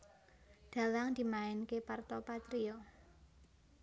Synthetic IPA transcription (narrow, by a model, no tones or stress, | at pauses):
d̪̥a̤laŋd̪̥i̤maɪnkepart̪ɔpat̪ɾiɔ